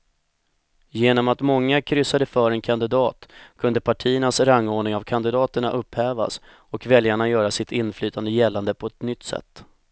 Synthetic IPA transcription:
jeːnɔmat̪mɔŋːakʰɾʏsːad̪əfœːɾɛnkʰand̪ɪd̪ɑːt̪kʰɵnd̪əpʰaʈʰiːəɳasɾaŋːoːɳɪŋavkʰand̪ɪd̪ɑːt̪əɳaʔɵpːhɛːva̰s | ɔkvɛljaɳajœːɾasɪt̪ɪnːflyːt̪ʰand̪əjɛlːand̪əpʰɔɛt̪nʏt̪ːsɛ̰t̪ː

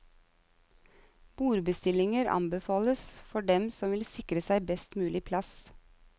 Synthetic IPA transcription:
b̥uːɾbəst̪ɪlɪŋəɾʔɑ̰mbəfɑːləsfɔɖɛmsɔmʋɪlsɪkɾəsæɪbɛst̪mʉːlɪpʰlɑs

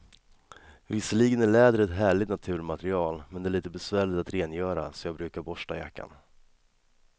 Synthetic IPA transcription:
vɪsːəliːɡənæɭɛːd̪ɾɛt̪ɦæːɭɪt̪nat̪ʰʉ̟ːɾmat̪ɾɪɑːlmɛnd̪ɛæɭiːt̪əbɛsvæːɭɪt̪at̪ɾeːnjœːɾa̰sɔmjɑːɡbɾʉ̟ːkaɾbɔʂʈa̰ja̰kːa̰n

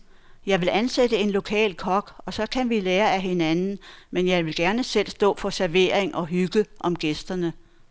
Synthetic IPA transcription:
jɑ̈ɪʋe̝lænsedəe̝nlo̝kʰɛ̰ːlkʰɒ̽ɡ̥ɒ̽sɒ̽kʰænʋileːɐæɦe̝nænn̩menjɑ̈ɪʋe̝lɡ̥æɐnəsel̰sd̥ɔ̰̽ːfɒ̽sæɐʋe̝̰ɐ̰eŋʔɒ̽ɦyɡ̥əʔɒ̽mɡ̥esd̥ɐnə

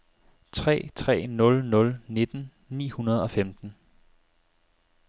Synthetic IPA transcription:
t͡sʰʁɛ̰ːt͡sʰʁɛ̰ːnɔ̽lnɔ̽lne̝d̥n̩ | nḭːhunɐð̞̩ˠɒ̽femd̥n̩

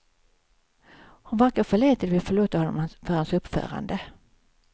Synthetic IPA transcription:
hʊnvæɾkaɾfœɭeːt̪əd̪vɪfœɭuːt̪ahɔnːɔ̰mfœɾhansɵpːfœ̰ːɾa̰nd̪ə

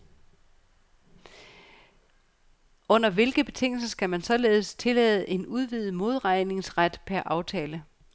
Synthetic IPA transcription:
ɔ̽n̰ɐʋe̝lɡ̥əb̥e̝t͡sʰe̝ŋ̰l̩sɐsɡ̥æmænsɒ̽le̝ːð̞̩ˠst͡sʰe̝lɛːð̞ˠəʔe̝nuð̞ˠʋið̩ˠmo̝ð̞ˠʁɑ̈ɪne̝ŋsʁad̥pʰæɐʔɑ̈ʊt͡sʰɛːlə

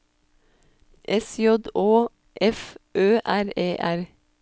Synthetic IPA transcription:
ʔɛsjɔd̪oː | ʔɛfʔøːʔæɾeːʔæɾ

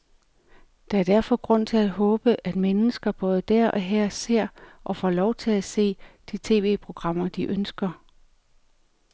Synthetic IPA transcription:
d̥ɑ̈æɐd̥æɐfɒ̽ɡ̥ʁɔ̽n̰t͡sʰe̝lædɦɔ̽ːb̥əʔæd̥menəsɡ̥ɐb̥ɔ̽ːð̞ˠəd̥æɐ̰ʔɒ̽ɦæɐ̰se̝ɐ̰ʔɒ̽fɒːlɒʊt͡sʰe̝læse̝̰ːd̥it͡sʰe̝̰ːʋe̝̰ːpʰʁo̝ɡ̥ʁɑ̈m̰ɐd̥iʔønsɡ̥ɐ

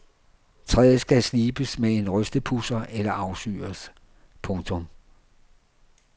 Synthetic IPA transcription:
t͡sʰʁɛːð̩ˠsɡ̥æsliːb̥əsmeenʁœsd̥əpʰusɐʔelɐʔɑ̈ʊsy̰ːɐs | pʰɔ̽ŋt͡sʰɔ̽m

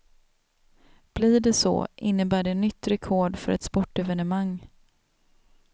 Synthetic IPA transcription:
b̥liːɖɛsɔ̰ʔɪnːəbæːɖɛːnːʏt̪ːɾɛkʰɔɖfœ̰ɾʔɛ̰t̪spɔʈːɛvɛnəmaŋː

